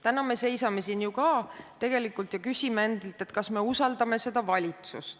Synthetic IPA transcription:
t̪ænɑme̞se̞jsɑme̞sinjukɑːt̪e̞ɡ̥e̞likːˑult̪jɑkysʲimee̞nd̪̥elt̪ˑe̞t̪kɑsme̞usɑld̪ɑme̞se̞d̪̥ɑvɑlʲit̪sṵst̪

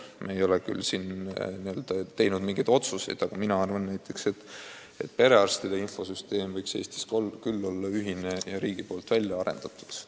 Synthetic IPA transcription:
mʔeejo̞lekylsinniøld̪̥ɑt̪e̞jnud̪miŋɡ̥ed̪o̞t̪suse̞̰jd̪̥ɑɡ̥ɑminɑɑrvɑnːæjt̪ːˑe̞kse̞t̪ː | e̞̰t̪̚pe̞ɾe̞ɑrst̪id̪̥einfo̞syst̪e̞ːmvɤjkse̞̰ːst̪i̥skokylːo̞lːɑyɦinejɑɾiːɡ̥ipo̞ːlt̪ˑvælʲjɑɑɾe̞̰nd̪̥ɑt̪ːˑu̥d̪̥

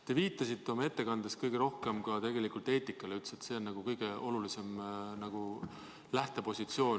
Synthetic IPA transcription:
t̪e̞viːt̪ːˑɑsit̪ːeo̞mɑe̞t̪ːe̞kɑnd̪̥eskɤjɡ̥eɾo̞hke̞mɡɑt̪e̞ɡ̥e̞likult̪ːˑe̞ːt̪ːˑikːˑɑleylt̪set̪se̞o̞nnɑɡ̥ukɤjɡ̥e̞o̞lulise̞mnɑɡ̥u | læht̪e̞po̞sʲit̪sio̞ːn

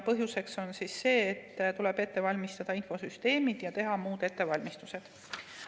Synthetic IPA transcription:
pɤɦjuse̞kso̞nsisːe̞ːt̪ːt̪ule̞b̥e̞t̪ːe̞vɑlʲmist̪ɑd̪̥ɑinfo̞syst̪e̞ːmid̪̥jɑt̪e̞ɦɑmuːd̪̥et̪ːe̞vɑlʲmist̪use̞d̪̥

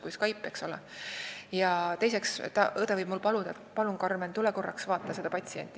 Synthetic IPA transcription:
kujskɑjpˑːekso̞lɛ | jɑt̪e̞jse̞kst̪ɑ̰ʔɤd̪ɑvɤjbmulpɑlud̪ɑet̪pɑluŋkɑrment̪uleko̞rːɑksvɑːt̪ːˑɑse̞d̪̥ɑpɑt̪ʲsienʲt̪ːˑi

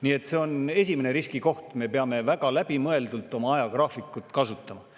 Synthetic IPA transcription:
nie̞t̪ːˑse̞o̞ne̞s̬ʲimene̞ɾiskiko̞ht̪me̞peɑme̞væɡɑlæb̥imɤe̞ld̪ult̪ːˑo̞mɑɑjɑkrɑːfikːˑut̪ːˑkɑsut̪ːˑɑmɑ

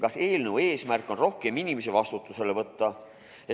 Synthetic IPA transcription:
kɑse̞ːlnəvwe̞ːsmærkːˑo̞nro̞hke̞minimesevɑst̪ut̪ːˑuse̞le̞vɤt̪ːɑ | e

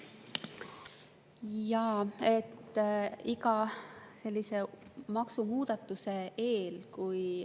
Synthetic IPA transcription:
jɑet̪ːikɑse̞lʲːise̞mɑksumuːd̪̥ɑt̪ːˑuse̞e̞ːlkuj

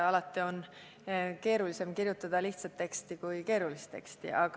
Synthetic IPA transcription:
ɑlɑt̪ːˑion | ke̞ːɾulise̞mkirjut̪ːˑɑd̪̥ɑliht̪sɑt̪ːe̞kst̪ikujke̞ːɾulist̪t̪e̞̰kst̪ḭʔɑɡ̥

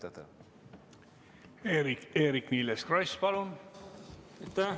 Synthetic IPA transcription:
ad̪ɑ | eɾieːɾikniːleskrojspɑlun | et̪ːa

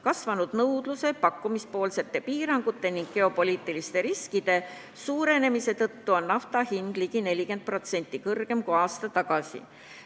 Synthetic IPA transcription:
kɑsvɑnud̪̥nɤwd̪̥luse̞pɑkːˑumispo̞ːlse̞t̪ːe̞piːɾɑŋɡ̥ut̪ːˑe̞niŋɡ̥̚ke̞o̞po̞lʲiːt̪ːˑilist̪e̞ɾiskid̪̥e̞ | suːɾe̞ne̞mise̞t̪ɤt̪ːuo̞nːɑft̪ɑhind̪̥liɡine̞lʲike̞nd̪̚pro̞t̪se̞nʲt̪ːˑikɤrɡ̥e̞mkuɑːst̪ɑt̪ɑɡ̥ɑsḭ

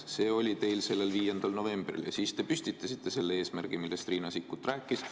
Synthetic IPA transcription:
se̞ːo̞lʲit̪e̞jlse̞lːe̞lviːje̞nd̪̥ɑlno̞ve̞mb̥rḭljɑ̰siːst̪e̞pysʲt̪it̪ːɑsit̪ːe̞se̞lːee̞ːsmærɡ̥imilːe̞st̪riːnɑsikːut̪ːræːkːˑis

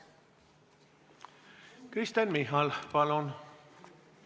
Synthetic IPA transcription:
kɾist̪ænmiɦɑlpɑlon

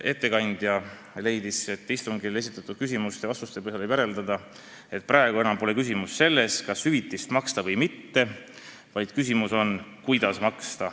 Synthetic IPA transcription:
e̞t̪ːe̞kɑnʲd̪̥jɑ | le̞jd̪ise̞t̪ːˑist̪uŋɡile̞s̬it̪ːˑɑt̪ːˑud̪̥kys̬ʲimust̪eɑst̪ust̪epeselebjæɾe̞ld̪̥ɑd̪̥ɑ | e̞t̪̚ˑprʔɑeɡ̥ue̞nɑmpo̞le̞kys̬ʲimusːe̞lːe̞skɑshyvit̪ːˑist̪mɑkst̪ɑvɤjmit̪ːe̞ | vɑjd̪̥kys̬ʲimuso̞nkujd̪̥ɑsmɑkst̪ɑ

